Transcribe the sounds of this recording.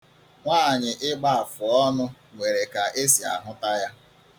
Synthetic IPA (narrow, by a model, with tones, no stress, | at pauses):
ŋʷaː˦˨ɲɪ˨ʔɪ˦ɡ͡ba˦a˨fʊ˨ɔ˦nʊ˦ | ŋʷe˨ɾe˨ka˨ʔe˦si˨a̰˨ɦʊ˦ta˦ja˦